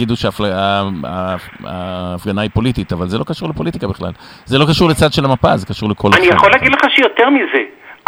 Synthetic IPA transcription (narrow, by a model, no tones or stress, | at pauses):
id̪uʃeaːflaaaaːfɡanaipo̞lit̪it̪avalzelo̞kaʃuʁlepo̞lit̪ikabiχla̰l | zelo̞kaʃuʁlet͡sad̪ʃe̞lamapazekaʃuʁlekʰo̞lanijaχoleaɡidleχaʃejot̪eʁmize